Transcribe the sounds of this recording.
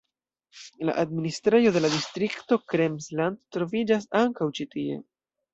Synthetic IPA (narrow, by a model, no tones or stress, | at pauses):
la̰ʔadministɾejo̞de̞ladistɾikto̞kɾemslandtɾo̞vid͡ʒas̬aŋkawt͡ʃitie̞̰